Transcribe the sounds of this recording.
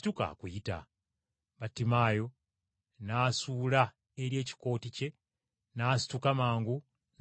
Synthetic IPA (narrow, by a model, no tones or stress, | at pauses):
tuka̰kujita̰ | βatːimaːjo̞ | naːsuːla | eɾje̞ːci̥ko̞ːtice̞ | naːsi̥tukamaːŋɡu | n